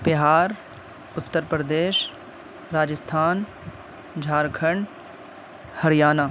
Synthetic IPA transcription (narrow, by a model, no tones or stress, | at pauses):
bɪɦaːɾ | ʊt̪ːəɾpɾəd̪eːʃ | ɾaːd͡ʒəst̪ʰaːn | d͡ʒʱaːɾkʰəɳɖ | hɐɾijaːna